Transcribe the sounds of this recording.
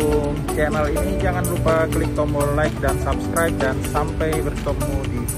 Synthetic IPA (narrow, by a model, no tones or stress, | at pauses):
ŋt͡ʃɛnəlinid͡ʒaŋanlupakəlik̚t̪ɔmɔlajk̚dansapskɾajp̚dansampajbərt̪ɔmudi